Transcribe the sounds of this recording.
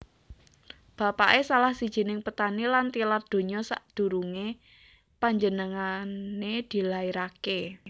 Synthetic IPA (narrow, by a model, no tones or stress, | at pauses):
b̥a̤paʔesalahsid̥ʒ̥i̤nɪŋpət̪anilant̪ilard̪̥o̤ɲɔsa̰ʔd̪̥ṳɾuŋe | paɲd͡ʒənəŋaned̪̥i̤laiɾake